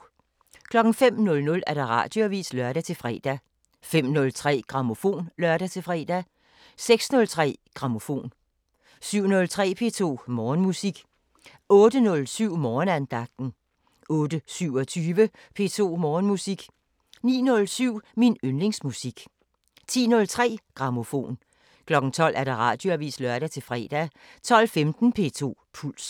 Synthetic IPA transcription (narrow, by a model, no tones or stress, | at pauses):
kʰlɒ̽ɡ̥n̩fem̰nɔ̽lnɔ̽læɐɾ̥ɑ̈ʁɑ̰̈ːd̥joʋḭːslɶɐɾ̥æt͡sʰe̝fʁɛ̰ːd̥æ | fem̰nɔ̽lt͡sʰʁɛ̰ːɡ̥ʁɑ̈mo̝fo̝̰ːnlɶɐɾ̥æt͡sʰe̝fʁɛ̰ːd̥æ | seɡ̥snɔ̽lt͡sʰʁɛ̰ːɡ̥ʁɑ̈mo̝fo̝̰ːn | syʊ̰nɔ̽lt͡sʰʁɛ̰ːpʰe̝̰ːt͡sʰo̝̰ːmɒːnmusiɡ̥ | ɔ̽ːd̥ənɔ̽lsyʊ̰mɒːnænd̥ɑ̈ɡ̥̚d̥n̩ | ɔ̽ːd̥əsyʊɒ̽t͡sʰyːʋə | pʰe̝̰ːt͡sʰo̝̰ːmɒːnmusiɡ̥ | nḭːnɔ̽lsyʊ̰minønle̝ŋsmusiɡ̥ | t͡sʰḭːnɔ̽lt͡sʰʁɛ̰ːɡ̥ʁɑ̈mo̝fo̝̰ːn | kʰlɒ̽ɡ̥n̩t͡sʰɒ̽l̰æɐd̥ɑ̈ʁɑ̰̈d̥joæɐʋḭːslɶɐɾ̥æt͡sʰe̝fʁɛ̰ːd̥æ | t͡sʰɒ̽l̰femd̥n̩pʰe̝̰ːt͡sʰo̝̰ːpʰul̰s